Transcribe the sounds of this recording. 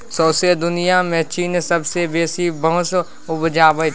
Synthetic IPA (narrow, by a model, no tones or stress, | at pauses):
soːsed̪ʊnijamɛɦt͡ʃiːnsɐbsebeːsibəɦʊs | ʊbd͡ʒaːbə